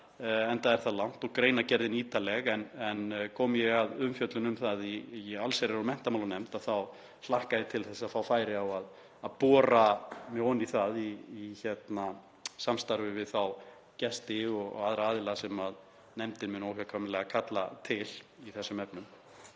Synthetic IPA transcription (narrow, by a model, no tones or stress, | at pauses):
ɛnt̪aðɛɾ̥θaðlawn̥t̪ɔɣkɾeːjnacɛɾðɪniːt̪alɛɣɛnɛnkʰɔːmjɛɣaðʏmfjœt̪lʏnʏmθaðialsejɾɪɾɔmɛn̥t̪amawlʏnɛm̥t̪aðθaw | slahkaðɪt̪ʰɪlθɛsːaðfawfaːjɾɪawað | aðpɔːɾamɛɣɔwniθaðiːçɛt̪na | samst̪aɾvɪvɪðθaw | cɛst̪ɪɔɣ̰ɣaðɾaaːðɪlaɣsɛmað | nɛmt̪ɪnmɪnowhakʰamɪlɛɣakʰat̪la̰t̪ʰɪliθɛsːʏmɛpnʏm